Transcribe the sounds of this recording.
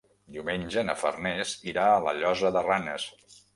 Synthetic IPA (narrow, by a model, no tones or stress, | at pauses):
d̪iwmenʲd͡ʒənəfə̰rnesiɾaələ̰ʎɔzəðəranəs